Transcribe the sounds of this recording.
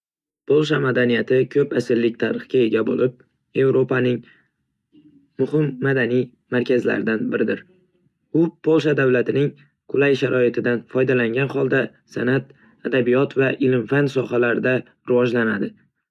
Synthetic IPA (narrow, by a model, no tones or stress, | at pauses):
pʰolˠʃamad̪anijat̪ʰɪkʲʰɵpasɪlːɪk̚ʲt̪ʰaɾɨχkʲae̞ɡʲabo̰lɪp̚ | e̞vɾopanɪŋ | mʊhɪmːad̪anij | maɾkʲʰazla̰ɾɪd̪anbɪɾɪd̪ɪɾ | ʊpʰolˠʃad̪avlat̪ʰɪnɪŋ | qʰʊlajʃaɾʔɒɪt̪ʰɪd̪anfɒjd̪alaŋɡʲanχɒlˠd̪a | sanat̪̚ | ad̪abijɒt̪vaʔɪlɪmfansɒɦalaɾɪd̪a | ɾɪvɒd͡ʒlanad̪ɪ